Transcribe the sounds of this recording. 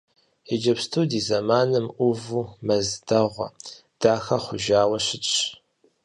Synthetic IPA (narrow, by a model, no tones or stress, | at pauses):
id͡ʒɐpstʰudiːzɐmaːnɨmʔʷuvuːmɐzdɐʁʷɐ̰ | d̥aːxɐχʷʊʒaːwɐɕɪt͡ʃʼ